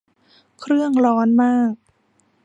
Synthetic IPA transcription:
kʰɾɯ˥˩əŋɾɔː˦˥nmaː˥˩k̚

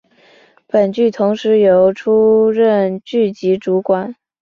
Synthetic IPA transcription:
pə˨˩nt͡ɕy˥˩t̪ʰʊ˧˥ŋʂɻ̩˧˥jo˧˥ʊʈ͡ʂʰu˥ɻə˥˧nt͡ɕy˥˩t͡ɕi˧˥ʈ͡ʂu˧˥kwa˨˩˦n

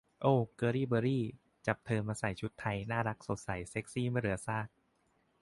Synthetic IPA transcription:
ʔoː˧˩kɤː˧ɾiː˥˩bɤː˧ɾiː˥˩ | t͡ɕa˨˩p̚t̪ʰɤː˧maː˧sa˨˩jt͡ɕʰu˦˥t̪ʰːa˧jnaː˥˩ɾa˦˥k̚so˨˩t̪̚sa˨˩˦jse˦˥k̚siː˥˩ma˥˩jɾɯ˩ɐsaː˥˩k̚

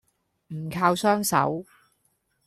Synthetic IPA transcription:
m̩˨˩kʰaː˧wsœː˥ŋsɐ̰˨˥w

